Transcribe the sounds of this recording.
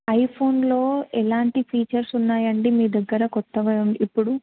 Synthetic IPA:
ɐjpʰo̞ːnlo̞ːɛlaːɳʈipʰiːt͡ʃɐɾsunːaːjɐɳɖimiːd̪ɐɡːɐɾɐkɔt̪ːɐʋɐɐmipːuɽu

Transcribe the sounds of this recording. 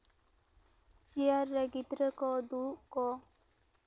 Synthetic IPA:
t͡ʃiaɾːəɡid̪ɾəkɔd̪ukɔ

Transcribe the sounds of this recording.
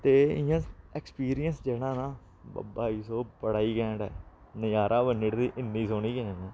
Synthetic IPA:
t̪eːɪjãːɛkspiːɾijənsd͡ʒeːɽãːna̰ː | baːiːsoːpəɽaːiːkɛ̃ːɳɖɛ̰ː | nəjaːɾaːʋənːɪʈd̪iːʔɪnːiːsoːɳiːkɛ̃ːãːnãː

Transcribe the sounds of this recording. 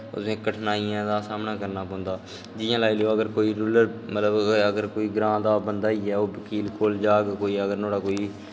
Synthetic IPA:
ʊ̰sẽːkəʈʰnaːiãːd̪aːsaːmnaːkəɾnaːpɔ̃ːnd̪aː | d͡ʒɪjãːlaːiːloːəɡəɾkoːiːɾuːləɾmət̪ləbəɡəɾkoːiːɡɾãːd̪aːbənd̪aːiːɛːoːbəkiːlkoːld͡ʒaːɡkoːiːəɡəɾnoːɽaːkoːiː

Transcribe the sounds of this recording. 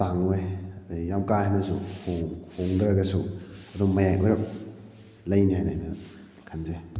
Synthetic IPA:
taŋejɐd̪ajamkajɦanːɐsuhoŋhoŋdɾɐɡɐsuɐdumɐjajʔujɾɐp̚ | lɐjnihajnajnɐ | kʰɐnze

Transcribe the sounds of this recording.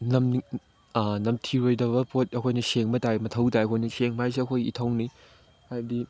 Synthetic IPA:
nɐm | nɐmtʰiɾojdɐβɐpʰotɐkʰojnɐseŋmɐtajmɐtʰɐwtajɐkʰojnɐseŋmajs̬iɐkʰojitʰɐwni | hajdi

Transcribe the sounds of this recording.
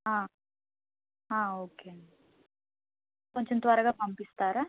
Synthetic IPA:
ɦãː | ɦãːoːke | koɲt͡ʃont̪ʋaːɾɐɡapɐmpist̪aːɾɐ

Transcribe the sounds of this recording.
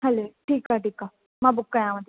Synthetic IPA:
ɦɛloːʈʰiːkaʈiːkaː | mãːbʊkːãjãːʋãd̪i

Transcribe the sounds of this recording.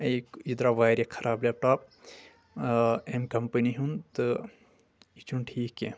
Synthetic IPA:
ɐjkid̪ɾaʋaːjɾekʰɐɾʔaːbleːp̚ʈaːp̚ | emkɐmpɐniɦunt̪ɨ | it͡ʃunʈʰiːke

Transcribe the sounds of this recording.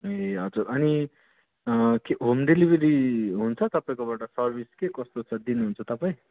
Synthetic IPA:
eɦʌd͡zurʌni | keɦomɖelibʱeɾiɦunt͡sʰʌt̪ʌpaĩkobaʈʌsʌrbʱiskekʌst̪ot͡sʰʌd̪inuɦunt͡sʰʌt̪ʌpaĩ

